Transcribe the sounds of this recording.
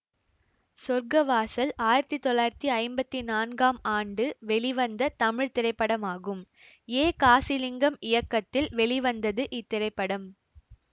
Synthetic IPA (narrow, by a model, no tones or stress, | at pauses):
sɔɾɡɐʋaːsɐlaːjɪɾɐt̪ːit̪ːɔɭːaːjɪɾɐt̪ːiɐɪmbɐt̪ːinaːnɡaːmaːɳɖɯʋɛɭɪʋɐnd̪ɐt̪ɐmɪɻt̪ɪrɐɪpːɐɽɐmaːɣɯm | eːkaːsɪlɪŋɡɐmɪjɐkːɐt̪ːɪlʋɛɭɪʋɐnd̪ɐðɯʔɪt̪ːɪɾɐɪpːɐɽɐm